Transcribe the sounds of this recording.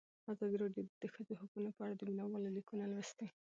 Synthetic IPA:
azɑd̪iɾɑɖjod̪əxəzohukunopəaɽad̪əminawɑlolikunalwɪst̪e

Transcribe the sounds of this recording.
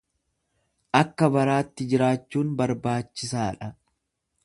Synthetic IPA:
ʔɐkːɐbɐɾaːt̪ːɪd͡ʒɪɾaːt͡ʃːuːnbɐɾbaːt͡ʃːɪsaːᶑɐ

